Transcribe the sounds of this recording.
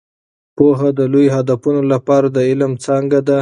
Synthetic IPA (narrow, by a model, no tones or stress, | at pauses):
poɦad̪əlojoɦad̪afunolapɑɾad̪əɪlmt͡sɑŋɡad̪a